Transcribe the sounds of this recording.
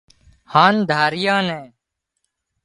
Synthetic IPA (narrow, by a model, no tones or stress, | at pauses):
hãːnd̪ʱaːɾɪjãːnɛ̃ː